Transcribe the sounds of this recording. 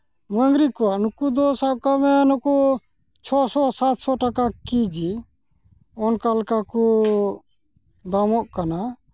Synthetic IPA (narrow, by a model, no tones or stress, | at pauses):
məŋɡɾikɔanukud̪ɔsakamɛnɔkɔ | t͡ʃʰɔsɔsat̪sɔʈakakid͡ʒi | ɔnkalkaku | d̪amɔʔkana